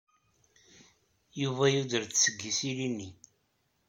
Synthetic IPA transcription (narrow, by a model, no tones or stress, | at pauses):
juvæjuðəɾt̪səɡːisilinːi